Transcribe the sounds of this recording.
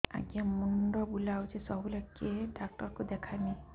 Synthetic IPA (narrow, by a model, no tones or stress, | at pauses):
a̰ɡiamuɳɖɔbulawd͡ʒesɔbulɔkːeɖak̚ʈɔɾkud̪ɛkʰani